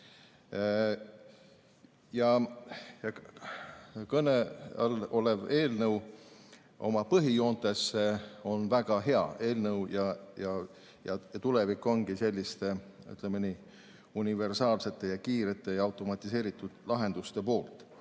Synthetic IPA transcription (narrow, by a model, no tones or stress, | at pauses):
jɑjɑ | kɤneɑ̰lo̞le̞ve̞ːlnɤw | ʔo̞̰mɑpɤɦijo̞ːnt̪e̞sːeo̞nvæɡ̥ɑɦe̞ɑ̰e̞ːlnəwjɑjɑ | jɑjɑt̪ule̞vikːˑo̞nɡ̥ise̞lʲːist̪e̞y̰t̪ˑlemeni | unive̞rsɑːlse̞t̪ːˑe̞jɑkiːɾet̪ːˑe̞jɑɑwt̪ˑo̞mɑt̪ʲːˑise̞ːɾit̪ːˑud̪̥lɑɦe̞nd̪̥ust̪e̞po̞ːlt̪ˑ